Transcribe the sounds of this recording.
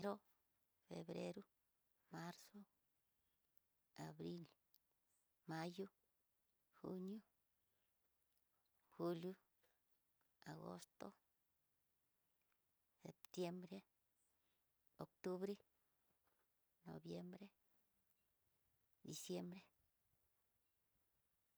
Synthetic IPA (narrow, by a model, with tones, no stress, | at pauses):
ɾo˦ | fḛ˨bɾḛ˦ɾu˦ | ma˦ɾso˦ | a˨bɾi˦l | ma˦ju˦ | xṵ˦nju˦ | xu˦lju˦ | a˨ɡo̰˦st̪o˦ | se˨pt̪je˦mbɾe˦ | o˨k̚t̪u˦βɾe˦ | no̰˨bje˦mbɾe˦ | d̪i˨sje˦mbɾe˦